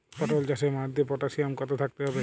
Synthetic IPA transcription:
pɔʈold͡ʑasemaɾd̪epɔʈasiamkɔt̪ʰot̪ʰak̚t̪eɦɔbe

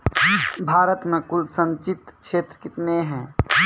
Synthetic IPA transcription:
bʱaːɾət̪mẽkʊlsə̃nt͡ʃɪt̪kʃeːt̪ɾəkɪt̪neɦɛ̃ː

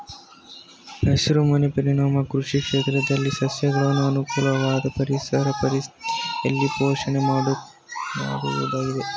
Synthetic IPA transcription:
nɐʃuɾumɐnepɐɾiɳaːmɐkɾuʂikʂeːt̪ɾɐd̪ɐlːisɐsjɐɡɐɭɐnːuɐnukuːlɐʋaːd̪ɐpɐɾisɐɾɐpɐɾisɐlːipoːʂɐɳemaːɽu | ma̰ːɽṵʋɐ̰d̪aːɡid̪e̞

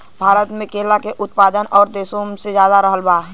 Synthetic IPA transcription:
bʱaːɾət̪mẽkeːlakeʔʊt̪paːd̪ənɔːɾd̪eːsõsezjaːd̪aɾəɦəlbaː

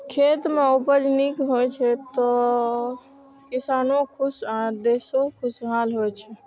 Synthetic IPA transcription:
kʰet̪meupəd͡ʒnikɦojt͡ʃʰɛt̪ɔ | kisaːnokʰusad̪esokʰusɦalɦojt͡ʃʰɛ

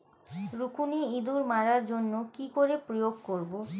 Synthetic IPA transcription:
ɾukuneid̪uɾmaɾaɾd͡ʑonːokikoɾepɾojoɡkoɾbo

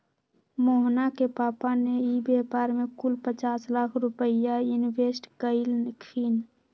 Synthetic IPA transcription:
moɦnakepaːpaneibepaɾmekulpət͡ʃaːslakʰɾʊpəɪjajuniwesʈkəɪlnkʰin

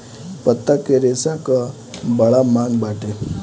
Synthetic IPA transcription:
pət̪ːakeɾesãka | bəɭamãŋɡbaʈe

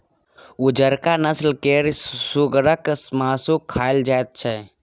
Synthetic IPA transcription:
ʊd͡ʒəɾkanəslkeːɾsuɡɾəksmaːsukʰaːɪld͡ʒaːet̪̚t͡ʃʰɛ

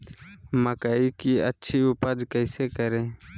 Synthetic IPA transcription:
məkəiːkiːətːʃʰiːʊpəd͡ʒkəɪseːkəɾeː

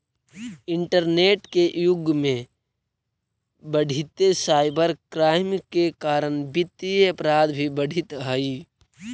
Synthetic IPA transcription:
ɪɳʈəɾneːʈkeʔjʊɡmẽ | bəɽʱit̪esaːɪbəɾkɾaːɪmkekaːɾənbɪt̪ːiəpɾaːd̪bʱibəɽ̤ʱɪt̪ɦəi

